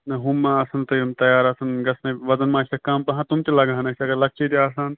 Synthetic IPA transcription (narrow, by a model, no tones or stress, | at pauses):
nɐɦumːãɐsɐnt̪ɐjumt̪ɐjaːɾɐsɐnɡɐsnɐʋɐd̪ɐnmãːsɐkaːmpɐɦãt̪umt̪elɐɡaːnɐt͡ʃʰɐɡɐɾlɐk̚t͡ʃʰet̪eaːsaːn